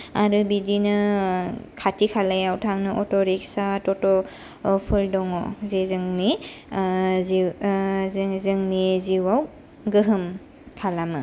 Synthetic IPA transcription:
aɾɯbidinɯ | kʰatikʰalajawtʰaŋnɯʔɔtɔɾiksatɔtɔ | pʰɯldɔŋɔzezɯŋni | zi | zɯŋniziwaw | ɡɯɦɯm | kʰalamɯ

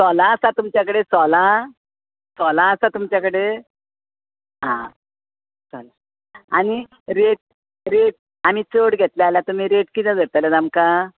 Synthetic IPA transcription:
sɔlaːsat̪umt͡ɕakəɽet͡sɔla | sɔlaːsat̪umt͡ɕakəɽe | ɦã | t͡sɔla | añi | ɾeʈ̚ | ɾeʈ̚ | amiːt͡soɽɡʱet̪lealjat̪um̤iɾeʈkit̪ɛ̃d͡zʱəɽt̪alad̪amka

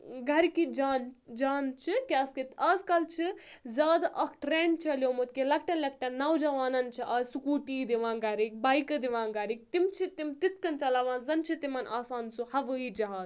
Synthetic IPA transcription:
ɡʱɐɾkid͡ʒaːnd͡ʒaːnt͡ʃʰikʲɐskit̪ɐːzkɐlt͡ʃʰi | zʲaːd̪aʔɐkʰʈɾeːɳɖt͡ʃʰɐljoːmut̪̚kelɐk̚ʰʈɐnlʲɐkʈɐnnːɐwd͡ʒɐʋaːnɐnt͡ʃʰiʔaːzsukuːʈiːd̪iʋãːnɡɐɾik̚bɐːikɨd̪iʋãːnɡɐːɾik̚t̪imt͡ʃʰit̪imt̪it̪̚ʰkɐnt͡ʃɐlɐʋãːnzɐnt͡ʃʰit̪imɐnaːsaːnsuhɐʋəːid͡ʒɐɦaːz

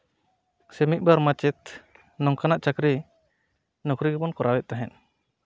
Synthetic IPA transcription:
sɛmit̪̚ˀbaɾmat͡ʃɛt̪ | nɔŋkanaʔt͡ʃakɾi | nɔkɾiɡɛbɔnkɔɾawɛʔ̚t̪aɦɛn

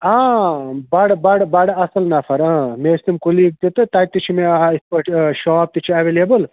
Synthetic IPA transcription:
ãːbɐɽbɐɽbɐɽɐsɐlnafʰɐɾãːmeːɾsimkulik̚t̪it̪ɨt̪aːt̪it͡ʃʰimeispɐʈʃaːp̚t̪it͡ʃʰiɐʋeːlebəl

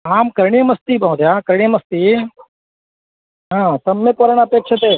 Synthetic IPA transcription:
aːmkɐɾɳimɐst̪ibɐɦũt̪jaːkɐɾɳ̃ijmɐst̪i | ɦãːt̪ɐmːepɐɾɐɳ̃ɐpeːkʃʰɐt̪eː

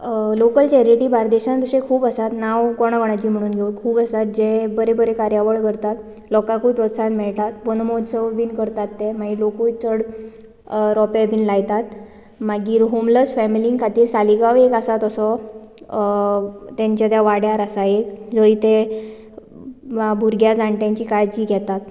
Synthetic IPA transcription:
lokəlt͡ɕɛɾiʈiːbaɾd̪eɕãnt̪əɕẽkʰuːbəsat̪naʋkɔɽ̃aɡɔɽ̃at͡ɕiːm̤əɽ̃uːnɡʱeukʰuːbəsat̪̚d͡ʑebəɾebəɾekaɾjaʋəɭkəɾt̪at̪ | lɔkãkupɾət̪sanmɛɭt̪at̪bənmod̪səʋʋiːnkəɾt̪at̪ːemaɡiːlokut͡s̪əɽ | ɾɔpɛbʱiːnlajt̪at̪ | maɡiːɾɦomləsfɛmiliŋkʰat̪iːɾsaliɡaʋekasat̪əsɔ | t̪jaɲt͡ɕjat̪jaʋaɽjaɾasaekd͡zəit̪e | abʱuɾɡjad͡zãɳʈjãɲt͡ɕiːkaɭt͡ɕiːɡʱɛt̪at̪̚

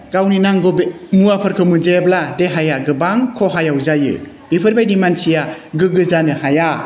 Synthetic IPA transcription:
ɡawninaŋɡɔbmuapʰɯɾkʰɯmɯzebladeɦajaɡɯbaŋkʰɔɦajawzajɯ̰ | b̥ipʰɯɾbajdimansijaɡɯɡɯzanɯhaja

